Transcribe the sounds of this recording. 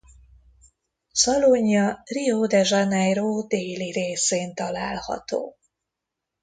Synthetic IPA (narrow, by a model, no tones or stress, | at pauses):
sɒloɲːɒriod̪ɛʒanɛjroːd̪eːliɾeːseːnt̪ɒlaːlhɒ̰t̪o̰ː